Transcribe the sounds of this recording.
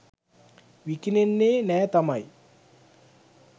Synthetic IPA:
ʋikinenːeːnɛːt̪amaj

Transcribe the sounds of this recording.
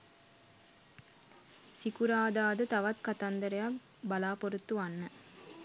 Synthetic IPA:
sikuɾaːd̪aːd̪ət̪ɐʋɐt̪kɐt̪ɐnd̪əɾejak | bɐlaːpoɾut̪ːuanːə

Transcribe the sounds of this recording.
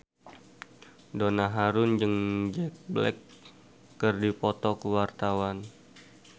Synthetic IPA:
donaɦaɾʊnd͡ʒɨŋd͡ʒɛk̚blɛ̰kː | ɨrdipɔt̪ɔkəwart̪awan

